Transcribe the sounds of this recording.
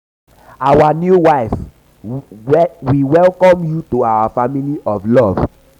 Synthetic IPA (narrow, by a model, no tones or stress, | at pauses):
awanjuwaɪf | wiwɛlkɔ̃mjutoawafamiliʔɔvlɔv